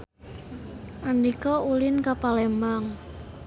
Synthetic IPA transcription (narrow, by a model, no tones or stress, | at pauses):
ʔanikɔulɪnkapalemaŋ